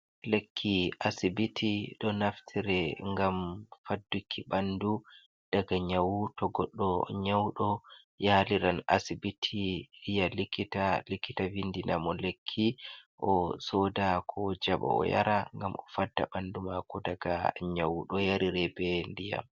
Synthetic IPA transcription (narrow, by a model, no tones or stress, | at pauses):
lekʰːiʔasibitʰiɗɔnaftʰiɾɛŋɡamfadːukʰːiɓandu | d̥aɡaɲawutɔɡɔɗːɔɲawɗɔ | jaliɾana̰sibitʰiijalikʰːitalikːitavindinamɔlekʰːiʔɔsɔdakʰɔd͡ʒaɓa̰ɔ̰ja̰ɾaŋɡamɔfadːa̰ɓandumakɔdaɡa̰ɲawuɗɔjaɾiɾɛbɛndija̰m